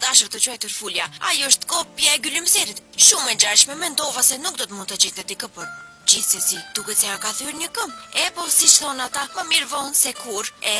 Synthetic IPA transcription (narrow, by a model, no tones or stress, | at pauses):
d̪aʃvt̪ət͡ʃuɛjt̪uɾfuljaa̰juəʃt̪kɔpjaɛɡulimsɛɾit̪ʃumɛɲd͡ʒalʃmɛmɛnd̪ɔvasɛnuk̚d̪ɔt̪əmund̪t̪ət͡ʃɛt̪ɛt̪ikəpɔɾ | d͡ʑiθsɛsid̪̥ukɛt̪sɛakaθyɾɲəkəmɛpɔsit͡ʃθɔnat̪aməmiɾvɔnsɛkuɾɛ